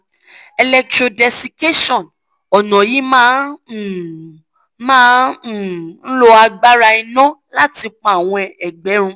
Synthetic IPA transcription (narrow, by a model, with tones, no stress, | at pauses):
ɛ˧lɛ˧k̚tɾo˧dɛ˧si˧ke˦ʃɔ̃˦˨n | ɔ˨nɔ̃˨ji˨˦mãː˦˨ | mãː˦n˨ | n̩˦lo˦a˧ɡ͡ba˦ɾa˧i˧nɔ̃˦la˦ti˧k͡pɔ̃˧a˨w̃ɔ̃˧ɛ˨ɡ͡bɛ˨˦ɾ̃ũ˧